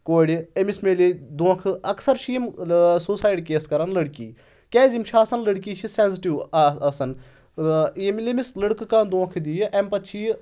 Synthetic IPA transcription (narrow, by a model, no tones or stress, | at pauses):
koːɽʲiemismelid̪oːkʰɨɐksɐɾʃʰimsuːsaːjɖkeːskɐɾɐnlɐɽkḭː | kɛːzimt͡ʃʰaːsɐnləɽkiːt͡ʃʰisenziʈiʋɐsɐn | imlimisləɽkkãːnd̪õːkʰd̪ijʔempɐt̪t͡ʃʰiː